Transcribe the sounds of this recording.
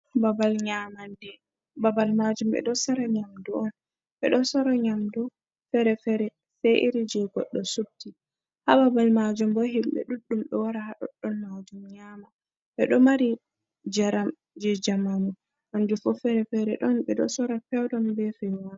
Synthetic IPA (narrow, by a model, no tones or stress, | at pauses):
babalɲamandɛ | babalmad͡ʒumɓɛ̰ɗɔsaɾaɲamduɔn | ɓɛ̰ɗɔsɔɾaɲamdu | fɛɾɛfɛɾɛ | sɛʔiɾid͡ʒɛɡɔɗːɔsub̚ti | hababalmad͡ʒumbɔɦimɓɛ̰ɗuɗːumɗɛwaɾahaɗɔ̰ɗːɔnmad͡ʒumɲaːma | ɓɛɗɔmaɾi | d͡ʒaɾam | d͡ʒɛd͡ʒamamu | ʔand͡ʒufɔfɛɾɛfɛɾɛɗɔnɓɛɗɔ̰sɔɾafɛwdɔmbɛfɛwa